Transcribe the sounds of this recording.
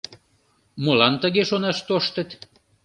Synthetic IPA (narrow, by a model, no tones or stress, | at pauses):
molɑnt̪əɣeʃonɑʃt̪oʃt̪ə̆t̪